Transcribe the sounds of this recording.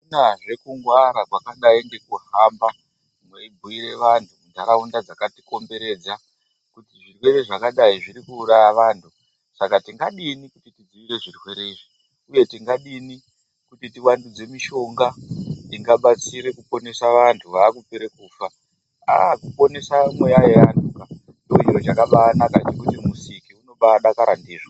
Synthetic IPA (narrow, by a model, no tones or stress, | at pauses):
naʐe̞kuŋɡwaɾakwakaɗaiŋɡe̞kuɦamba | mweibʱuiɾe̞ʋantʰumund͡zʱaɾaundad͡zakatiko̞mbe̞ɾe̞ːd͡za | kutiʐirwe̞ɾeʐakaɗaiʐiɾikuːrajaʋaːntʰu | sakatiŋɡaɗinikutitid͡ziʋiɾe̞ʐirwe̞ɾeʐi | uje̞tiŋɡaɗini | kutitiwandud͡ze̞miʃo̞ŋɡatiŋɡaɓat͡siɾekupo̞ne̞saʋantʰuʋaːkupeɾe̞kuːfa | a̰kupo̞ne̞samwe̞jajeantuka | ndoijot͡ʃakaɓaːnakatikutimusikiuno̞ɓaɗakaɾandiːʐwa